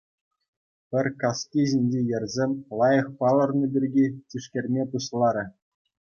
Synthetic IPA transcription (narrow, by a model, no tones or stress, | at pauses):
pʲɘ̆rʲkɑskʲiʑinʲd͡ʑejɘ̆rʲzʲemʲlˠɑjɤ̆χpɑlˠɤ̆rnɤ̆bʲirʲɡʲit͡ɕiʂkʲerʲmʲepuɕlˠɑɾʲɘ̆